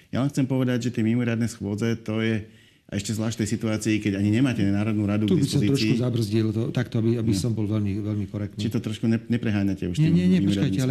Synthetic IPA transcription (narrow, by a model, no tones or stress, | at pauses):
ja̰lɛnxt͡sɛmpɔʋɛd̪aɟʒɛt̪ɪɛmimɔɾɪad̪nɛsxʊɔd͡zɛt̪ɔjɛ | aɛʃcɛzlaːʃt̪ɛjsit̪uaːt͡siːkɛɟaɲiɲɛmaːcɛnaːɾɔd̪nuːɾad̪uɡ̪t̪uibisɔmzit̪ɾɔʃkuzabr̩zɟilt̪ɔt̪akt̪ɔabiabisɔmbɔlʋɛlmiʋɛlmikɔɾɛkt̪t͡ʃiɛt̪ɔt̪ɾɔʃkuɲɛɲɛpɾɛɦaːɲacɛuʃtɲɛimɲɛɲɛmiɔɾɪadkaj̪ɛalɛ